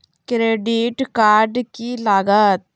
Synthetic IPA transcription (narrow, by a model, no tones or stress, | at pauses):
kɾeːɖiʈkaːɾɖkiːlaːɡət̪̚